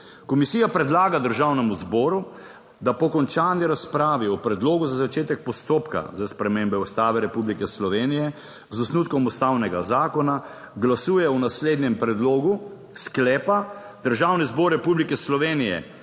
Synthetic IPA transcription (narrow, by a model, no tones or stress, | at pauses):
kɔmisiːjapɾɛd̪laːɡad̪əɾʒawnɛmuzbɔːɾu | d̪apɔkɔnt͡ʃaːniɾaspɾaːʋiɔpɾɛd̪loːɡuzazat͡ʃeːt̪ɛk̚pɔst̪oːpka̰zaspɾɛmembɛust̪aːʋɛɾɛpublikɛslɔʋeːnijɛ | zɔsnuːt̪kɔmust̪awnɛɡazaːkɔna | ɡlasuːjɛɔnasleːd̪nɛmpɾɛd̪loːɡu | sklɛːpa | d̪̥əɾʒaːwnizbɔːɾːɛpublikɛslɔʋeːnijɛ̰